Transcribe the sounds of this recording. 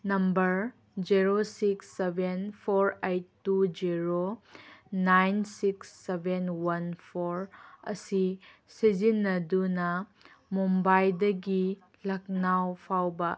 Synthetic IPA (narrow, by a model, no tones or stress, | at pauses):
nɐmbɐɾ | d͡ʒiɾosiksːebenpʰoɾejtːud͡ʒiɾo | najnsiksːebʱenwɐnpʰoɾɐ̰sisid͡ʒinːɐdunɐ | mumbajdɐɡi | lɐk̚nawpʰawbɐ